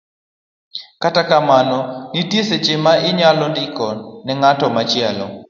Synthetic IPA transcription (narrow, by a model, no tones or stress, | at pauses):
katakamanɔnitjeset͡ʃɪmaɪɲalɔndɪkɔnɛŋatɔmat͡ʃɪalɔ̰